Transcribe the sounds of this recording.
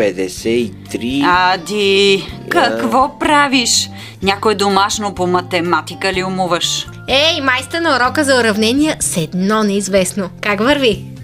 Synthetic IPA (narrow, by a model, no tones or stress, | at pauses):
ɛd̪ɛsɛit̪ɾiad̪ikɐkvɔpɾaviʃ | nʲakoɛd̪omaʃnopomɐt̪ɛmat̪ikəliʊmuvəʃ | ɛimajst̪ənɐoɾɔkəzɐʊɾɐvnɛniɛsɛd̪nɔnɛizvɛsnokakvəɾvi